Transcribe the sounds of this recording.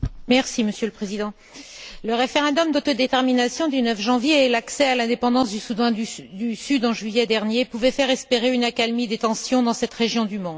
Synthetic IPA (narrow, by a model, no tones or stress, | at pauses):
mɛʁsiməsjøləpχezid̪ɑ̃ | ləʁefeʁɑ̃d̪ɔmd̪ot̪od̪et̪ɛʁminasjɔ̃d̪ynœfʒɑ̃vjeːlaksɛalɛ̃d̪epɑ̃d̪ɑ̃sd̪ysud̪ɑ̃d̪ysyd̪ɑ̃ʒɥijɛd̪ɛʁnjepuvɛfɛʁɛspeʁeynakalmid̪et̪ɑ̃sjɔ̃d̪ɑ̃sɛt̪ʁeʒjɔ̃d̪ymɔ̃d̪